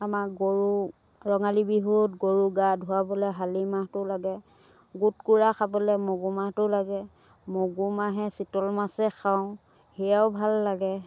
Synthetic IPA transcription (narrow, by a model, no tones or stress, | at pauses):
amaɡoɹu | ɹɔŋalibiɦutɡoɹuɡadʱʊwabɔlɛɦalimaɦtʊlaɡɛ | ɡutkuɹaxabɔlɛmoɡumahtʊlaɡɛ | moɡumaɦɛsitɔlmasɛxʰaʊ̃ | hɛaʊbʱalːaɡɛ